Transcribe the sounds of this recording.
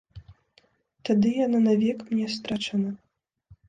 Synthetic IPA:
t̪ad̪ɨjananavʲɛkmnʲɛst̪ɾat͡ʂɐnɐ

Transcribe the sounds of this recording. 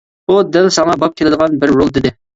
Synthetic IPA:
bud̪ɛlsɑŋɑbɑp̚kʲʰelɪd̪əʁɑnbɪɾːolˠd̪ɪd̪ɪ

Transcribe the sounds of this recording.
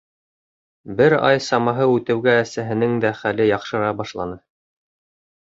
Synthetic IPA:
bɘɾɑ̰jsɑmɑɦɤʉt̪ɘ̆wɡæːsæɦɘ̆nɘŋd̪æχælɘjɑqʃɤ̆ɾɑbɑʃlˠɑnɤ

